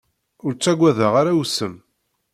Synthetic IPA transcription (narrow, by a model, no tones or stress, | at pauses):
ʊɾt͡sːæɡʷæðəʁaɾawsəm